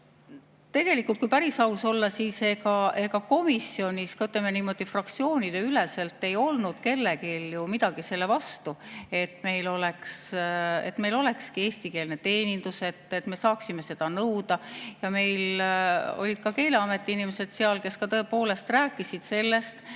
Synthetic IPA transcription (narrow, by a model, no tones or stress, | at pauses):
t̪e̞ɡ̥e̞likːˑult̪̚kujpæɾisɑuso̞lːɑsiːse̞ɡɑe̞ɡɑko̞misːio̞nʲiskɑyt̪lemːeniːmo̞d̪̥ifrɑkt̪sio̞ːnʲid̪̥eylese̞lt̪ːˑe̞jo̞lnud̪̥ke̞lːe̞kiljumid̪̥ɑɡ̥ise̞lːe̞vɑst̪ue̞t̪me̞jlo̞le̞kse̞̰t̪me̞jlo̞le̞kskieːst̪ike̞ːlnet̪e̞ːnʲind̪̥use̞t̪ːet̪me̞sɑːksime̞se̞d̪̥ɑnɤwd̪̥ɑjɑme̞jl | o̞̰lʲid̪̥̚kɑke̞ːleɑme̞t̪ːˑiinimese̞d̪̥seɑlke̞skɑt̪ɤepo̞ːle̞st̪ræːkːˑisid̪̥se̞lːest̪